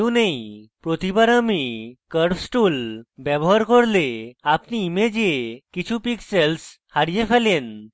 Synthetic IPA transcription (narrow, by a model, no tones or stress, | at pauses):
unejpɾot̪ibaɾamikəɾfsʈulbɛbɔɦaɾkɔɽleapniːmed͡ʑekit͡ɕʰupiksels | haɽijefʰɛlen